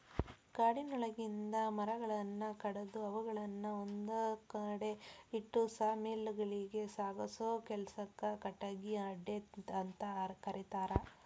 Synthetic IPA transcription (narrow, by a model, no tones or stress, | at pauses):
kaːɽinɔɭɐɡind̪ɐmɐɾɐɡɐɭɐnːɐkɐɽɐd̪uɐʋuɡɐɭɐnːɐond̪ukɐɽeiʈːusaːmiːlːɡɐɭiɡe̞saːɡɐsoːkɛlsɐkːɐkɐʈːɐɡiɐɖːeɐnt̪ɐkɐɾit̪aːɾɐ